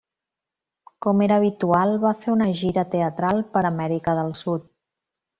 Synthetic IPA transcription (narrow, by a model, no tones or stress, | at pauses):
kɔmeɾəːβ̞it̪ualˠβafeunəʒiɾət̪eət̪ɾalˠpəɾəmɛɾikəðəlˠsut̪̚